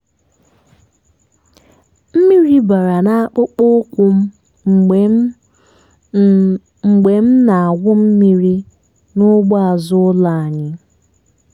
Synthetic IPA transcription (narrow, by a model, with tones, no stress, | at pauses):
m̩˦mi˦ɾi˦ba˨ɾa˨na˦a˦˨k͡pʊ˦k͡pʊ˦kʷʊ˦m̩˦˨ | ŋ͡m̩˨ɡ͡be˨m̩˦na˨a˨ɡʷʊ˦m̩˦mi˦ɾi˦ | nʊ˦ɡ͡ba˦a˨zʊ˦la˦˨a˨ɲɪ˦